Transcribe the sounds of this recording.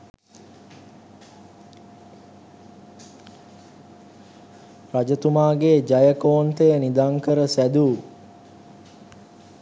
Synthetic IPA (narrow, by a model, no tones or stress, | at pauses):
rad͡ʒət̪umaːɡeːd͡ʒajəkoːnt̪ejənid̪aŋkəɾəsæd̪u